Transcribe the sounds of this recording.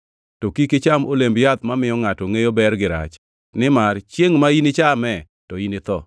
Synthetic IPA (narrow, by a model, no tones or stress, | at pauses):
tokikɪt͡ʃamolembjat̪mamɪjɔŋatɔŋejobɛrɡɪɾa̰t͡ʃ | nɪmart͡ʃjeŋmainɪt͡ʃamɛ | tɔinɪt̪ɔ̰